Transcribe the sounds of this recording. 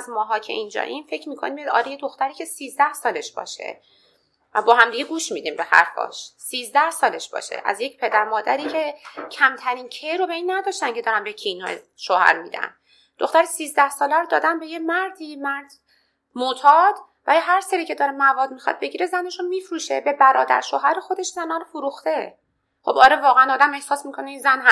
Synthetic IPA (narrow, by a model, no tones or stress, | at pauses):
æzmɒːɦɒːcʰḛʔiːnd͡ʒɒ̰ːʔinfe̞cʰmiːkʰonimijd̪ɒ̰ːlijed̪oxt̪æɾiːcʰe̞siːzd̪æhsɒːleʃb̥ɒ̰ːʃḛ | væ̰bɒːɦæmd̪iːɡeɡuːʃmiːd̪iːmbe̞hæ̰ɾfɒ̰ːʃsiːzd̪æhsɒːleʃb̥ɒ̰ːʃḛʔæ̰zjecpʰe̞d̪æɾmɒːd̪æɾiːcʰe̞cʰæmt̪ʰæɾiːncʰejɾobeiːnːæd̪ɒːʃt̪ænkcʰe̞d̪ɒːɾænbecʰinoḛ | ʃohæ̰ɾmḭːd̪æ̰n | d̪̥o̰xt̪æɾesiːzd̪æhsɒːlæɾod̪ɒ̰ːd̪ænbe̞jemæɾd̪iːmæɾd̪̥ | mot̪ʰɒːd̪̥væɾiɦæɾseɾiːcʰe̞d̪ɒːɾemævɒːd̪mixɒ̰d̪̥̚be̞ɟiːɾezæneʃunmiːfɾuːʃebe̞bæɾɒːd̪æ̰ɾʃoːɦæɾexo̞d̪e̞ʃzænɒːɾofuɾuxt̪e̞ | χo̞̰bɒːɾevɒːɣeænd̪ɒːd̪æme̞hsɒːsmikʰo̞neinzænɦæ